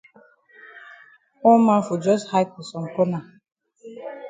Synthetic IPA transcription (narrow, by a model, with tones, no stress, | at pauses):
ʊ˦ma˦fu˨d͡ʒɔ˦sha˦jti˨sɔ˨ŋ̩˨ko˦na˨